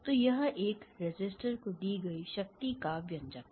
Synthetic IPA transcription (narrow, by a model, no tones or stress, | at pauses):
t̪ojɐɦʔeːkɾɪd͡ʒɪsʈəɾkod̪iːɡɐiʃɐk̚t̪ikabjɐ̃nd͡ʒak